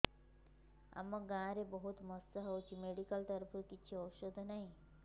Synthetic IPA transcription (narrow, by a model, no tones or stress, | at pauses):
a̰mːɔɡãɾebɔɦut̪mɔst̪əɦɔwt͡ʃʰimeɽikəlt̪əɾpʰəkit͡ʃʰiɔwʃod̪ʱnaɦĩ